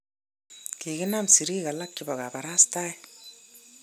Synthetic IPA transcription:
ki˨kɪ˦na˦msi˨ɾiː˦ka˨la˦k̚t͡ʃɪbɔ˨ka˨ba˨ɾa˦sta˦ɛ

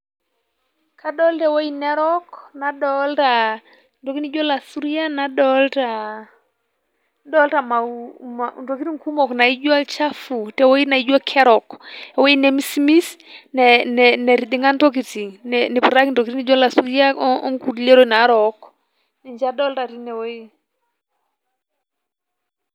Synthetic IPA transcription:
kʰa˦ɗɔ˦ltɛ˨wo˦inɛ˦ɾɔ˦kna˨ɗɔ˦lta˨ | ntɔ˨ki˦ni˦d͡ʒo˦la˨su˦ɾi˦a˦na˨dɔ˦lta˨ | dɔ˦lta˨ma˨manto˨ki˦ti˦ŋku˦mɔ˨kna˨i˦d͡ʒu˦a˦lt͡ʃa˦fu˨tɛ˨wo˦i˦na˨i˦d͡ʒwa˦kʰɛ˦ɾɔ˨kɛ˨wo˦i˦nɛ˨mi˦simi˦snɛnɛnɛ˨ɾi˨di˨ŋa˦ntɔ˦k̬iti˨nɛni˨pu˨ɾa˦kntɔ˨kiɾini˦d͡ʒɔ˦la˨su˦ɾi˦a˦ɔ˦ŋku˨ɾile˦ɾo˨na˨˦ɾɔk | nɛ˨ɲd͡ʒa˦dɔ˦lta˨ɾi˦nɛ˨wo˦i˦

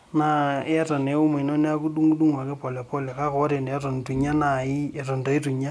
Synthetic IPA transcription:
na˦e˦a˦ta˨ne˨˦u˦me˨no˦ne˦a˦ku˦ɗu˦ŋu˦ɗu˦ŋa˨ke˦pɔ˨lɛ˨pɔ˦lɛ˨ka˦kɔ˦ɾe˨ne˨a˦to˨n˨tu˨ɲa˦na˨i˦e˨tɔ˨nto˨i˦tu˨ɲa˦

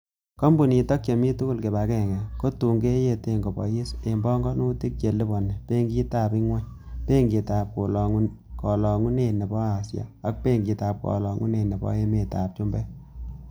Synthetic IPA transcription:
kɔ˦mbu˨ni˨tɔ˦k̚t͡ʃe˨mi˦tu˦ku˦lke˨ba˨kɛ˦˨ŋɛ˨ko˦tu˨ŋɡe˦je˧te˦ŋɡo˨bɔ̰˨ji˦se˨mbɔ˦ŋɡɔ˦nu˦ti˦k̚t͡ʃe˨li˦bɔ˨nːɛ˨pe˦ŋɡi˦ta˨bɪ˦ŋwa˦ɲ | pe˦ŋɡi˨ta˨p̚ko˨lɔŋ˦ | kɔ˨lɔ˨ŋu˦ne˨ne˨bɔ˦a˨sja̰˨a˦k̚pe˦ŋɡi˨taː˨p̚kɔ̰˨lɔ˨ŋu˦ne˨ne˨bɔ̰˦e˦me˨ta˨p̚t͡ʃu˦mbɛ˦

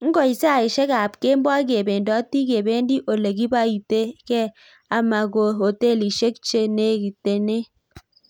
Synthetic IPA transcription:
ŋ̩˦ɡɔ˨i˨sa˨i˨ʃɛ˦ka˨pke˦mbwa˦k̬e˨be˨ndɔ˦ti˦ke˨be˦ndi˦ʔo˨le˨ki˦ba˦i˨te˦kɛ˦ | a˨ma˨ko˨o˨te˦˨li˨ʃe˦k̚t͡ʃe˦ne˨˦ki˨te˨ne˦

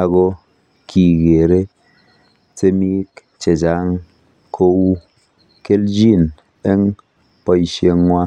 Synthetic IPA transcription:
a˨ɣo˦ | kʰi˨ɡe˨ɾe˦ | se˦mi˦k | t͡ʃe˨d͡ʒa˦ŋ | kʰo˦wu˦ | ke˦ld͡ʒi˦˨n | e˦ŋ | pɔ˦i˨ʃje˦ŋ˦ŋʷa˦

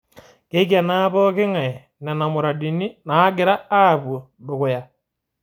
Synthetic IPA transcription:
ke˦ka˨na˦βɔ˦ke˦ŋa˨e˨ | na˨na˨mo˨ɾa˨di˨ni˦naː˦ɡeɾaː˦βwo˨ | bo˨ɣo˨ja˨

